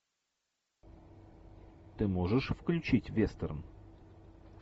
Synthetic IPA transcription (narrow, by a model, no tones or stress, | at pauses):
t̪ɨmoʐəʂfklʲʉt͡ɕitʲvʲest̪ərəm